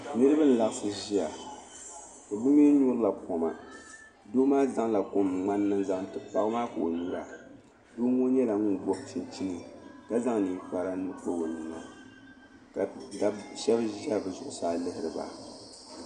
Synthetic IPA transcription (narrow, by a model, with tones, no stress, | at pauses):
nɨ˦ɾɨ˦bɨ˦n̩˨la˨ʔsɨ˦ʒi˦a˨ | kɨ˨bu˦miː˦ɲu˦ɾɨ˦la˨pɔ˨ma̰˨ | doː˦maː˦za˦ŋla˨ko˨mŋ͡ma˦nːɨ˦nza˦ŋtɨ˨pa˨ɣmaː˦ka˨o˨ɲu˦ɾa˨ | doː˦ŋo˦ɲɛ˦la˨ŋu˦˨bɔ˦ʔt͡ʃi˨nt͡ʃi˦nɨ˨ka˦za˦ŋniː˨pa˨ɾa˦nɨ˦to˦wo˨nɨ˨ŋa̰˨ | ka˨da˦ʃɛ˦bʒi˦a˦bɛ˨zʊ˨ʔʊ˨saː˨lɨ˦hɪ˨ɾɨ˨ba̰˨